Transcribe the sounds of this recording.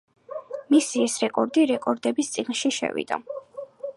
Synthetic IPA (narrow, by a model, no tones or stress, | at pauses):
misiɛsɾɛkʼɔɾd̪iɾɛkʼɔɾd̪ɛbist̪sʼiɡnʃiʃɛ̰vḭd̪̥a̰